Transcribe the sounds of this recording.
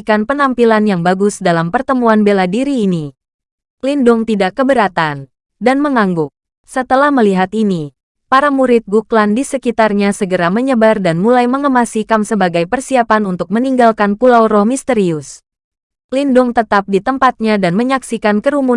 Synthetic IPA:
kanpənampilanjaŋbaɡʊsdalampərt̪əmuanbeladiɾiːni | lindʊŋt̪idakːəbəɾat̪an | danməŋaŋɡʊk̚ | sət̪əlahməliɦat̪ini | paɾamuɾɪt̪̚ɡuklandisəkit̪arɲasəɡəɾaməɲəbardanmulajməŋəmasikamsəbaɡajpərsiapanunt̪ʊk̚məniŋɡalkanpulawɾɔhmist̪əɾiʊs | lindʊŋt̪ət̪ap̚dit̪əmpat̪̚ɲadanməɲaksikankəɾumu

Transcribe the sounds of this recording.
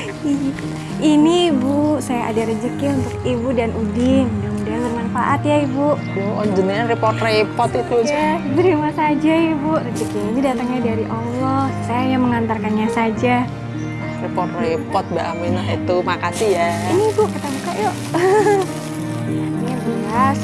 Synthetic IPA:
i | ʔinibusajaʔa̰daɾəd͡ʒəkɪnunt̪ʊk̚ibudanudɪŋdaŋudiabərnanfa̰ʔat̪jaibuʔɔd͡ʒəniɲarepɔt̪repɔt̪it̪ujjad̪əɾimasad͡ʒaibuʔrəd͡ʒəkɪninidat̪əŋɲadaɾiʔɔlɔhsajajaŋməŋant̪arkanɲasad͡ʒa | repɔt̪repɔt̪̚baʔaminaɦit̪umakasijainibuʔkət̪abukajɔʔ | jabəas

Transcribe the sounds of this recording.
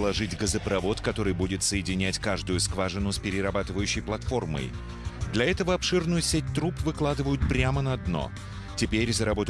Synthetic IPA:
lˠɐʐɨtʲɡəzəpɾɐvo̞t̪kɐt̪o̞ɾɨjbudʲɪt̪səjɪdʲɪnʲætʲkaʐd̪ʊjʊskvaʐɨnʊsʲpʲɪɾʲɪɾɐbat̪ɨvəjʉɕːɪjplˠɐt̪fo̞rmə̰j | d̪lʲɐɛt̪əvəɐpʂɨrnʊjʊsʲet̚ʲt̪ɾupvɨklˠad̪ɨvəjʊt̪̚pɾʲamənɐːd̪no̞̰ | tʲɪpʲeɾʲzəɾɐbo̞t̪

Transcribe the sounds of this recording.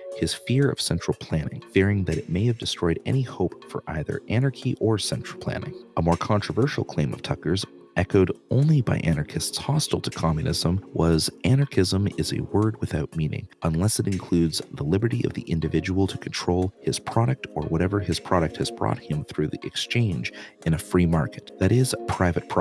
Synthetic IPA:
hɨz̥fɪɹʌ̰v̥sɛ̃nt͡ʃɹ̥l̩ˠpʰl̥æ̃nɪ̰̃ŋfɪɹɪ̃ŋðɨɾɨt̚meɪɨvdɨstɹ̥ɔɪɾɛ̰nihoʊpfə̰˞ʔa̰ɪðə̰˞ʔæñə˞kʰiʔə˞sɛ̃nt͡ʃɹ̥l̩ˠpʰl̥æ̰̃nɪ̰̃ŋəmɔɹkʰɑ̃ntɹ̥əvɜ˞ʃl̩ˠkʰl̥ẽɪ̃mʌ̰v̥tʰʌkə˞z | ɛkoʊɾõ̰ʊ̃nlibaɪʔænɑ˞kʰɨstshɑstl̩ˠtʰə̥kʰɑmjɨnɪzə̃mwʌzænɑɹkʰɪzə̃mɪzɨ̰wɜ˞d̚wɨθaʊt̚mĩnɪ̰̃ŋə̃nlɛsɨɾɨ̃nkʰl̥ʉdzðəlɪbə˞ɾiʔʌ̰vðḭʔɪ̃ndɨvɪd͡ʒəwl̩ˠtʰɨkʰn̩tʰɹ̥oʊlˠɪz̥pʰɹ̥ɑɾɨk̚tə̰˞wʌɾɛvə˞ɨz̥pʰɹ̥ɑɾɨk̚t̚hɨzbɹɔ̰t̚hɨ̃mθɹʉðiʔɨkst͡ʃʰẽɪ̃nd͡ʒʔɨ̃ñɨfɹimɑ̰ɹkɨ̥t̪̚ðɨɾɪz̥pʰɹ̥aɪvɨt̚pʰɹ̥

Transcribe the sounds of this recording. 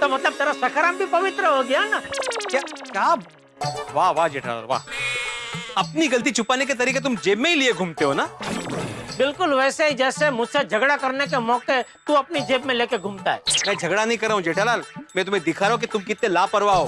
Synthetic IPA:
t̪omɐt̪ləb̚t̪eːɾasɐkʰəɾãːmbʱipɐʋɪt̪ɾəɦoɡɐjanakjaːkjaː | ʋaːʋaɦd͡ʒeːʈʰala̰ːlʋa̰ː | ɐpniɡɐlt̪̬it͡ʃʰʊpaːnek̬et̪ɐɾiːket̪̬ʊmd͡ʒeːbmẽilieɡʱuːmt̪eɦonaː | bɪlkʊlʋɛːseɦid͡ʒɛːsemʊd͡ʒʱsed͡ʒʱɐɡɽakɐɾnek̬emɔːket̪uɐpnid͡ʒeːbmẽleːkeɡʱũːmt̪aɦɛ̰ːmɛ̃ːd͡ʒʱɐɡɽanɐɦĩkɐɾːaːɦũd͡ʒeːʈʰalaːlmɛ̃ːt̪ʊm̤ẽd̪ɪkʰaːɾeɦõk̬it̪ʊmkɪt̪nẽlaːpɐɾʋaɦoː

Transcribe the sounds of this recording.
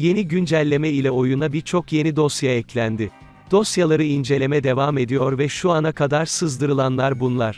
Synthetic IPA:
je̞niɟynd͡ʒælʲːe̞mɛilʲɛo̞junabiɾt͡ʃʰo̞kje̞nid̪o̞sjaɛclʲænd̪ɪ | d̪̥o̞sjalˠaɾɯind͡ʒe̞lʲe̞mɛd̪e̞vame̞d̪ijo̞ɾvɛʃuanakʰad̪aɾsɯzd̪ɯɾɯlˠanlˠaɾbunlˠaɾ̥

